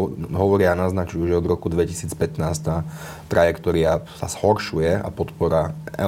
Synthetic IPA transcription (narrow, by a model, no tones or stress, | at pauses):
ɦɔʋɔɾɪaːnaznat͡ʃujuʒɛɔd̪ɾɔkud̪ʋɛci̥siːt͡spɛt̪naːst̪a | t̪ɾajɛkt̪ɔɾɪasa̰z̥hɔɾʃujɛa̰pɔt̪pɔɾaʔɛ̰